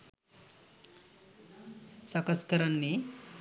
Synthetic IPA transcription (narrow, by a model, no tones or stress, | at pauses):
sɐkɐskɐɾɐnːi